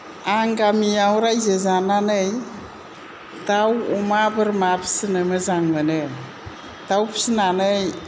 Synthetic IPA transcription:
aŋɡamiawɾajzezananɯj | tawɔmabɯɾmapʰsɯnɯmɯzaŋmɯnɯ | tawpʰi̥sinanɯj

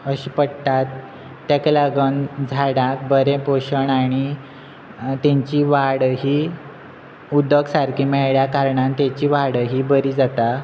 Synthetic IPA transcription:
əɕiːpəɽʈ̪at̪ː | akləɡənd͡zʱaɽãk̚bəɾẽpoɕəɳaɽ̃i | t̪ẽɲt͡ɕiːʋaɽɦiː | ud̪əɡsaɾkʰiːmɛɭɭjakaɾɳãnt̪et͡ɕiːʋaɽɦiːbəɾiːd͡zat̪a

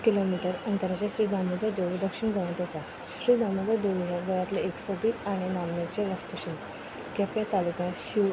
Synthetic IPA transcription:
kilomiʈəɾənt̪əɾat͡ɕaɕɾiːd̪amud̪ad̪eld̪əkɕiɳɡʱəʋɳt̪əsa | ɕɾiːd̪amud̪ad̪oljaʋəɭat̪leeksɔbiːt͡saɽ̃inamnat͡ɕeʋəst̪əɕin | kjapjat̪alukãɕi

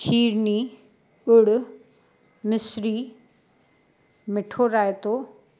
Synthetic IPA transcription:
kʰiːɾniː | ʊɽʊ | mɪsɾi | mɪʈʰoɾaːet̪oː

